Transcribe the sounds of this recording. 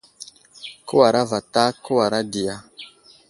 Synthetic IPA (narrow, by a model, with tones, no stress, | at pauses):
ko˦wa˨ɾa˦va˨ta˦ko˦wa˨ɾa˦di˨ja˦